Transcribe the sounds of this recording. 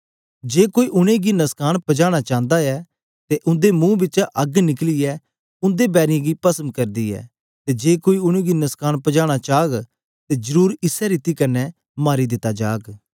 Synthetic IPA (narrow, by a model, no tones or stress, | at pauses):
d͡ʒeːkoːiʔʊɽ̃ẽɡinɐskaːñpɐd͡ʒaːɽ̃at͡ʃãːnd̪aɛː | t̪eʔʊ̃nd̪emũːbɪt͡ʃaʔɐɡnɪkliɛː | ʊ̃nd̪ebɛːɾɪẽɡipɐsənkɐɾd̪iːɛ̰ː | t̪ed͡ʒeːkoːiʊɽ̃ẽɡinɐskaːɽ̃pɐd͡ʒaːɽ̃at͡ʃaːɡ | t̪ed͡ʒəɾuːɾɪsɛɾit̪ikɐɾnɛ | maːɾid̪ɪt̪ad͡ʒaːɡ